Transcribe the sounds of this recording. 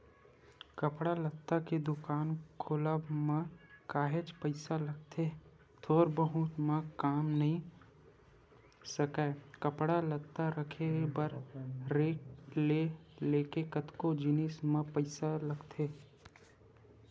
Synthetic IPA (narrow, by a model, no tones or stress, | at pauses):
kəpɽalɐt̪ːaked̪ʊkaːnkʰoːlamãkaːɦed͡ʒpəɪsaləɡ̚t̪ʰe | t̪ʰoːɾbəɦʊt̪mãkaːmnɐɦĩ | sɐkaːkɐpɽalət̪ːaɾəkʰebəɾɾeːkleleːkekət̪kod͡ʒɪneːsmãpəɪsalɐɡt̪ʰeː